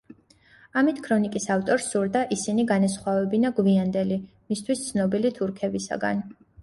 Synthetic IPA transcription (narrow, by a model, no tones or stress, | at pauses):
amit̪ʰkʰɾɔnikʼisaft̪ʼɔɾsuɾd̪aʔisiniɡanɛs̬χwavɛbinaɡviand̪ɛli | mist̪ʰwist̪sʰnɔbilit̪ʰuɾkʰɛbisa̰ɡa̰n